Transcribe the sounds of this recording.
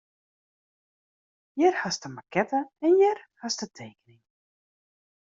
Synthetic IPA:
jɪrhastəmakɛtəɛnjɪrhastətʰeːkənɪŋ

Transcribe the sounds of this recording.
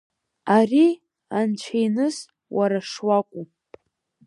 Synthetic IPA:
ari | ant͡ʃʷʰejnɨz | waɾaʂwakʷʼu

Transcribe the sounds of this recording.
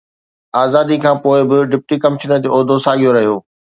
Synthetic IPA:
aːzaːd̪ikʰãːpoːɪbɪɖɪp̚ʈikɐmɪʃənəd͡ʑoːoːd̪ʱosaːɠijoɾɐɦijoː

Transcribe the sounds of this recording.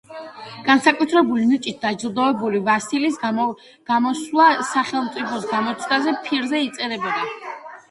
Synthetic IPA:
ɡ̥ansakʼut̪ʰɾɛbulinit͡ʃʼit̪̚d̪ad͡ʒlˠd̪ɔɛbulivasilis | ɡ̥amɔslˠasaχɛlˠmt̪sʼipʰɔsɡamɔt̪sʰd̪azɛpʰiɾzɛit̪sʼɛɾɛbɛla

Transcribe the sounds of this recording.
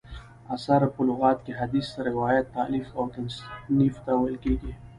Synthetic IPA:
asaɾpʊlʊɣɑt̪̚keɦad̪isaɾɪwɑjat̪̚ːalifoɡansnift̪awəlkeɡi

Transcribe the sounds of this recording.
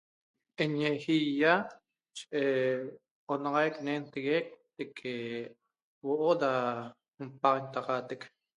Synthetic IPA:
ʔeɲexija | t͡ʃeʔe | onɑʁɑjknent̪eɣek̚t̪ekʰe | woʔoda | mpɑʁent̪ɑqɑt̪ek

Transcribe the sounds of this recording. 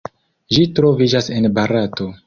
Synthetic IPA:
ʒitɾo̞vid͡ʒase̞nbaɾato̞

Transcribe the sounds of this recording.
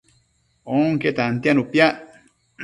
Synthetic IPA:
oŋket̪ant̪ianupjaʔ

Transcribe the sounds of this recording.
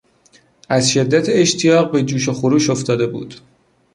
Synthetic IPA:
æzʃe̞d̪ːæt̪ʰeeʃt̪ʰijɒːʁbe̞d͡ʒuːʃo̞xoɾuːʃo̞ft̪ʰɒːd̪e̞bṵːd̪̥

